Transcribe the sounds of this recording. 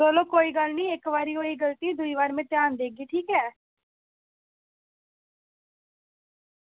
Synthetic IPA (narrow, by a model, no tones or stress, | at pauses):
oːloːkoːiːɡəlniːɪkʋaːɾiːoːiːɡəlt̪iːd̪ʊiːʋaːɾmɛ̃ːt̪jaːnd̪eːɡiːʈʰiːkɛː